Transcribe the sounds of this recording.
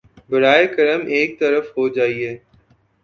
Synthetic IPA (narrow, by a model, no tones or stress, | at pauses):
bɐɾaːekɐɾəmʔeːk̚t̪əɾəfɦod͡ʒaːiɦeː